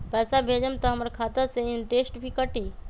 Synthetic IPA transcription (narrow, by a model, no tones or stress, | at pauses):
pɛːsabʱeːd͡ʒəmt̪ɐɦɐmɾkʰaːt̪əseɪ̃nʈeːsʈbʱikəʈiː